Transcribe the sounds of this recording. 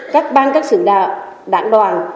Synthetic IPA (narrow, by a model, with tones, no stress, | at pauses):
kaː˦˥k̚ɓaː˧nkaː˦˥k̚sɨ̰˧˨ɗa̰ː˧˨ɗa̰ː˧˩ŋɗwaː˨˩n